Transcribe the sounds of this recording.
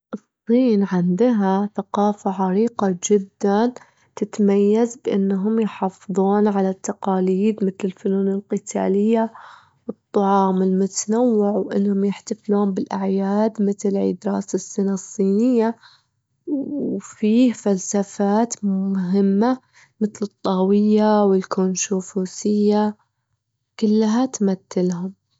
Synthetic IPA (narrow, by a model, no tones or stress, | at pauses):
ʔɨsˤːiːnʕɪnd̪ɦaθaqɑːfaʕaɾiːqɑd͡ʒɪd̪ːan | t̪ɪt̪majːazbʔɪnːɦʊmjħɑːfðˤuːnʕalat̪ːɑqɑːliːd̪mɪt̪lɪlfʊnuːnɪlqɨt̪ʰa̰ːlɪjːa | wɨt̪ˤːɑʕɑːmɪlmʊt̪anawːɪʕwʔɪ̰nːhʊmjɪħt̪afluːmbɪlʔaʕjaːd̪mɪt̪lʕḭːd̪ɾɑ̰ːsasːɪnasˤːiːnɪjːa | wfiːhfalsafaːt̪ʊɦɪmːa | mɪt̪lɨt̪ˤːɑːwɪjːawɪlkonʃuːfuːsɪjːa | kʊlːɦat̪mat̪ːɪlhʊm